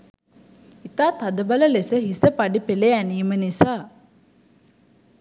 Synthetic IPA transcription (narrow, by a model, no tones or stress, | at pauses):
it̪aːt̪ad̪əbaləlesəɦisəpaɖipeleæniːmənisaː